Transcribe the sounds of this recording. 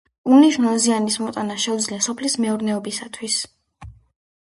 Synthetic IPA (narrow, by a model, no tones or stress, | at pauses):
uliʒnanzianismɔt̪ʼanaʃɛud̪zliasɔpʰlismɛuɾnɛɔbisat̪ʰwis